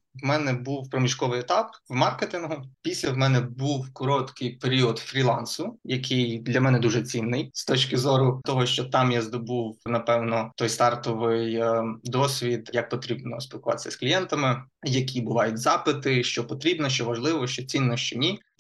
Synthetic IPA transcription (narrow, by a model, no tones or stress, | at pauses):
wmɛnɛbuwpɾɔmʲiʃkɔʋɪjɛt̪ɑpwmɑrket̪ɪnɦʊpʲisʲlʲɐwmɛnɛbuwkɔɾɔt̪kɪjpeɾʲiɔd̪fɾʲilˠɑnsʊjɐkʰɪjd̪lʲɐmɛnɛd̪uʒɛt͡sʲinːɪjst̪ɔt͡ʃkɪzɔɾʊt̪ɔɦɔʃt͡ʃɔt̪ɑmjazd̪ɔbuwnɐpɛwnɔt̪ɔjst̪ɑrt̪ɔʋɪjd̪ɔsʲʋʲid̪jɐk̚pɔt̪ɾʲibnɔsʲpʲilˠkʊʋɑt̪e̥ɪsʲɐsklʲijɛnt̪ɐmɪjɐkʲʰibʊʋɑjʊtʲzɑpɪt̪ɪʃt͡ʃɔpɔt̪ɾʲibnɔʃt͡ʃɔʋɐʒlˠɪʋɔʃt͡ʃɔt͡sʲinːɔʃt͡ʃɔnʲi